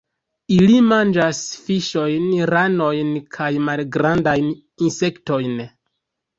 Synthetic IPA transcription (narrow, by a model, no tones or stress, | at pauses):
ilimand͡ʒasfiʃo̞jnɾano̞jnkʰajmalɡɾandajn | inse̞kto̞jn